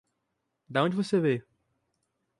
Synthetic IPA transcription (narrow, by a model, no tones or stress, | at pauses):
d̪ɐõd͡ʒɪvoseve